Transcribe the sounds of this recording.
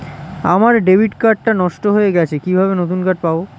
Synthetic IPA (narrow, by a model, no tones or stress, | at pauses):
a̰maɾɖebʱiɖkaɾʈːanɔʃʈoɦoeɡɛt͡ɕʰekibʱabenot̪unkaʈ̚pao